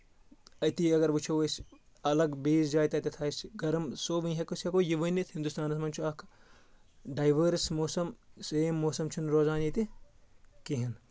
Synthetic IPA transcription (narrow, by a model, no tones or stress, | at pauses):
ɐt̪iːɐɡɐɾʋut͡ʃʰɐʋɐsʲ | ɐlɐɡbiːzd͡ʒaːjt̪ɐt̪ɐt̪ʰaːsɡɐɾmsoːʋĩɦɐkusɐkoːjiʋɐnit̪ʰhind̪ust̪aːnɐsmɐnt͡ʃʰuɐk | ɖɐːjʋɐɾsmoːsɐmseːmːoːsɐmt͡ʃʰunɾoːzaːnit̪i | kiɦɐn